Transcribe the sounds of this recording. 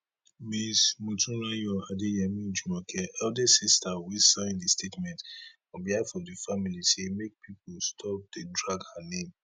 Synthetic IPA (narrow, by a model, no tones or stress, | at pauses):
mismutʰũnajɔadejamĩd͡ʒumɔkʰɛɛldɛsistawisãndistʰetmɛ̃nt | ɔ̃biadfɔ̃difamilisemek̚pʰipʰostʰɔp̚dedɹaɡhanẽm